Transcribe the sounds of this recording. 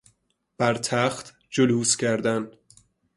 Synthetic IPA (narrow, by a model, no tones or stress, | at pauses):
b̥æɾt̪ʰæxt̪ | d͡ʒoluːscʰæɾd̪æn